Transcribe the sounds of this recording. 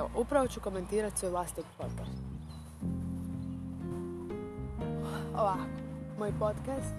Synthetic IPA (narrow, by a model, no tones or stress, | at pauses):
o̰ʔupɾaʋo̞t͡ɕuko̞me̞nt̪iːɾat̪sʋojʋlaːst̪ok̪poɾt̪a̰ɾ | oʋako̥moːjpot̪kast̪